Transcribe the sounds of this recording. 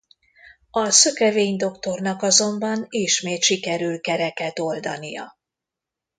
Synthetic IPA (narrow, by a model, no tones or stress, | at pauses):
ɒsøkɛveːɲd̪o̞kt̪o̞rnɒkɒzo̞mbɒniʃmeːt̪ʃikɛɾylkɛɾɛkɛt̪o̞ld̪ɒ̰nijɒ̰